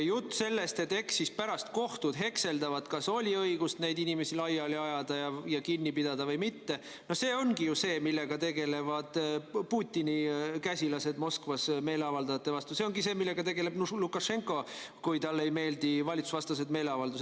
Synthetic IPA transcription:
jut̪ːse̞lːe̞st̪e̞t̪ːˑe̞ksispæɾɑst̪ko̞ht̪ud̪̥ɦe̞kse̞ld̪ɑvɑd̪̥kɑso̞lʲiɤiɡust̪nejd̪inime̞silɑjɑliɑjɑd̪̥ɑjɑjɑkinʲːipid̪̥ɑd̪ɑvɤjmit̪ːe̞ | no̞hse̞ːo̞nɡ̥ijuse̞ːmilːe̞ɡ̥ɑt̪e̞ɡe̞le̞vɑd̪̥puːt̪ʲːinikæsʲilɑse̞d̪̥mo̞skvɑsme̞ːleɑvɑld̪ɑjɑt̪ːe̞vɑst̪use̞o̞ŋɡise̞ːmilːe̞ɡ̥ɑt̪e̞ɡe̞le̞bnulukːˑɑʃe̞ŋkˑo̞ | kujt̪ɑlːe̞jme̞ːld̪ivɑlʲit̪su̥svɑst̪ɑs̬e̞d̪me̞ːleɑvɑld̪use

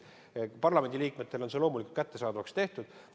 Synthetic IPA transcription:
pɑrlɑme̞nd̪iliːkme̞t̪ːe̞lo̞nselo̞ːmulʲiku̥lt̪kæt̪ːe̞sɑːd̪ɑvɑkst̪e̞ht̪ud̪̥

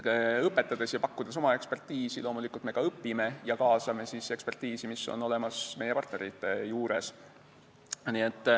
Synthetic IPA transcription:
ɤpːˑe̞t̪ːˑɑd̪̥e̞sjɑpɑkːud̪̥es̬o̞mɑe̞kspe̞rt̪iːsilo̞ːmulikult̪me̞ɡ̥ɑɤpːime̞jɑkɑːsɑme̞sise̞kspe̞rt̪iːsimisːo̞̰no̞le̞mɑsme̞jepɑrt̪neɾit̪ːˑe̞juːɾe̞̰s | nie̞t̪ˑː

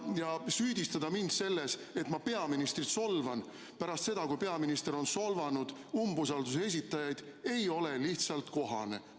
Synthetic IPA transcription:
jɑsyːd̪ist̪ɑd̪ɑmind̪̥se̞lːe̞se̞t̪ˑmɑpe̞ɑminist̪ɾit̪so̞lvɑn | pæɾɑst̪se̞d̪̥ɑkujpe̞ɑminist̪e̞ɾo̞nso̞lvɑnud̪̥umbus̬ɑld̪use̞s̬ʲit̪ːˑɑjɑjd̪̥e̞jo̞le̞liht̪sɑlt̪ko̞ɦɑ̰ne̞̰

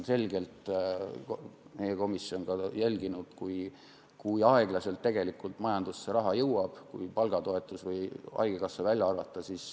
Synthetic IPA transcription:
se̞lɡ̥e̞lt̪ | me̞jeko̞misjo̞nɡ̥ɑjælʲɡ̥inud̪̥kuj | kujɑe̞ɡ̥lɑse̞lt̪ːe̞ɡ̥e̞likːˑult̪ˑmɑjɑnd̪usːeɾɑɦɑjɤwɑb̥kujpɑlɡɑt̪o̞e̞t̪ˑːusvɤjɑ̰eɡ̥ekɑsːɑvælʲjɑɑrvɑt̪ːˑɑsiːs

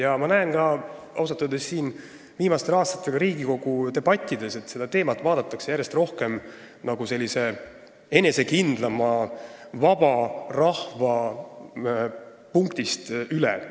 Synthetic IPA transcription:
jɑmɑnæenkɑʔɑws̬ɑt̪ːˑud̪esːiːn | viːmɑst̪elɑːst̪ɑ̥t̪ːˑe̞ɡ̥ɑɾiːɡiko̞ɡ̥ut̪e̞b̥ɑt̪ʲːˑid̪e̞se̞t̪se̞d̪̥ɑt̪e̞ːmɑt̪ːˑvɑːd̪̥ɑt̪ːˑɑkse̞jæɾje̞st̪ro̞hke̞m | nɑɡ̥use̞lʲːise̞ | e̞ne̞se̞kind̪̥lɑmɑvɑb̥ɑrɑhvɑ | puŋkt̪ist̪ylḛ

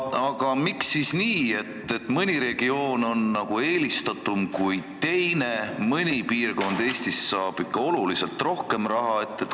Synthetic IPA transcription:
ɑɡ̥ɑmiksːisniːe̞t̪ːe̞t̪ːmɨnʲiɾe̞ɡ̥io̞ːno̞nːɑɡ̥ue̞ːlist̪ɑt̪ːumkujt̪e̞jne̞mɯnʲipiːrko̞nd̪̥e̞ːst̪isːɑːb̥ikːɑo̞lulise̞lt̪ro̞hke̞mrɑɦɑet̪ːˑet̪

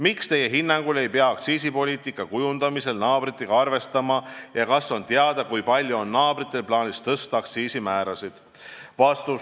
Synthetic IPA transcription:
mikst̪e̞je̞ɦinːɑŋɡ̥ule̞jpeɑɑkt̪siːs̬ipo̞lʲiːt̪ˑikːˑɑkujund̪̥ɑmise̞lnɑːbrit̪ːˑeɡ̥ɑɑrve̞st̪ɑmɑjɑkɑsːo̞nt̪eɑd̪̥ɑkujpɑlʲjuonːɑːb̥rit̪ːˑe̞lplɑːnʲist̪ɤst̪ɑɑkt̪siːsimæːɾɑsid̪̥ | vɑst̪u

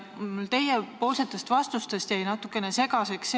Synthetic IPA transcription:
ylt̪e̞jepo̞ːlse̞t̪ːˑe̞st̪vɑst̪ust̪e̞st̪jæjnɑt̪ːˑukːˑe̞ne̞se̞kɑseks

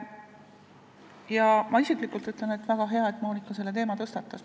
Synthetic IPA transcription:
jɑmɑisiklikːˑult̪yt̪lene̞t̪væɡ̥ɑɦe̞ɑe̞t̪ːˑmoːnikˑːɑse̞lːe̞t̪̬e̞ːmɑt̪ɤ̞st̪ɑt̪ːˑɑs

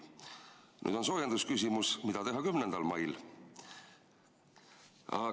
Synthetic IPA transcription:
ny̰ːd̪̥o̞nso̞ːjend̪uskys̬ʲimusmid̪̥ɑt̪e̞ɦɑkymnend̪̥ɑlmɑjl | ɑ̰

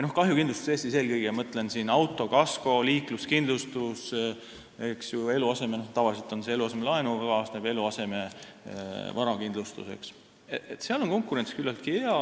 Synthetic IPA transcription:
no̞hkɑɦjukind̪lust̪u̥seːst̪ise̞ːlkɤjɡejɑmɤt̪ˑle̞nsinɑwt̪ːˑo̞kɑsko̞liːkluskind̪lust̪us | e̞ksjue̞luɑse̞menoht̪ɑvɑlʲis̬et̪ˑo̞nse̞eluɑs̬e̞melɑenuɑkɑːsnebe̞luɑse̞me̞ | vɑɾɑkind̪lust̪ṵse̞̰ks | et̪seɑlo̞nko̞ŋkˑuɾe̞nskylːɑlt̪̚kieɑ

